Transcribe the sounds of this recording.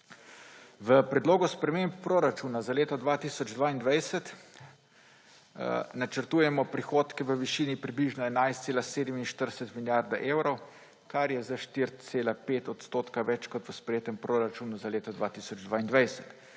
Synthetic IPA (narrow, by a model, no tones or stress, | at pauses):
ʋəpɾɛd̪loːɡɔspɾɛmemppɾoɾat͡ʃunazaleːt̪ɔd̪ʋaːt̪iːsɔd͡ʒd̪ʋaːind̪ʋajsət̪ | nat͡ʃəɾt̪uːjɛmɔpɾixoːt̪kɛʋəʋiʃiːnipɾibliʒnɔɛnajst̪seːlaseːd̪ɛminʃt̪əɾsɛt̪miljaɾd̪aʔeːwɾɔw | kaɾjɛzaʃt̪iɾseːlapeːt̪ɔt̪st̪oːt̪kaʋɛt͡ʃkɔt̪ʋəspɾɛjeːt̪əmpɾoɾat͡ʃuːnuzaleːt̪ɔd̪ʋat̪isɔd͡ʒd̪ʋaːind̪ʋajsə̥t̪